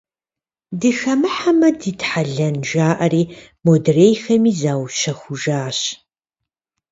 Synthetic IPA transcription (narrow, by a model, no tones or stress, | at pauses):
dɨxɐmɨħamɐdiːtħaɮɐnʒaːʔɐriː | modreːjxɐmiːzaːwʃɐxʷʊʒaːɕ